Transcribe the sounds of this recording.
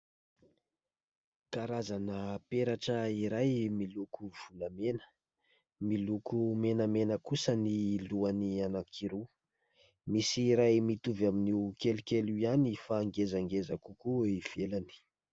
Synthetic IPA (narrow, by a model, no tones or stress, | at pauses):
kaɾazanəpeɾaʈ͡ʂəiɾajmilukuv̥uləmenə̥ | milukumenəmenəkusəniluanianakʰiɾu | misiɾajmit̪uvaminiwkelukʲeluanifaːŋɡezaŋɡezakukuiv̥elani̥